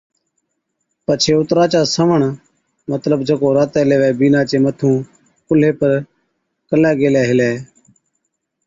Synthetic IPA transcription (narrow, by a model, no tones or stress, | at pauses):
pət͡ʃʰeːʊt̪ɾaːt͡ʃaːsəʋəɳ | mət̪ləbd͡ʒəkoːɾaːt̪ɛːleːʋɛːbiːnaːt͡ʃeːmət̪ʰũː | kʊl̤eːpəɾ | kəlɛːɡeːlɛːɦɪlɛː